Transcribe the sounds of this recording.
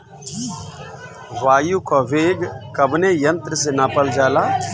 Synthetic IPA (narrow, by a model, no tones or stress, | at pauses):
ʋaːjukʰoʋeːɡkɐbnejɐnt̪ɾəsenapəld͡ʒaːlaː